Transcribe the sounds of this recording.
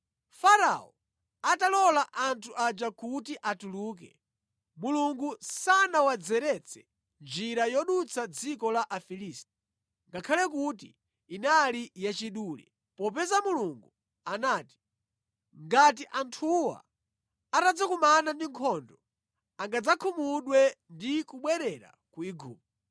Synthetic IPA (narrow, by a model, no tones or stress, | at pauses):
faɾa̰ɔ | atalɔlaʔantʰuʔad͡ʒakutiʔatuluːk̬ɛ̰ | muluŋɡusanawad͡zɛɾɛt͡sʰɛ̥ | nd͡ʒiɾajɔɗut͡sʰad͡zikɔlaʔafiliːstɛ̥ | ŋɡakʰalɛk̬uti | inalijat͡ʃiɗuːlɛ̰ | pɔpɛzamuluŋɡu | anaːti̥ | ŋɡat̬iʔantʰuwa̰ | atad͡zakumanandiŋkʰɔndɔ | aŋɡad͡zakʰumuɗwɛndikuɓwɛɾɛɾa̰ | kuiɡṵːp̚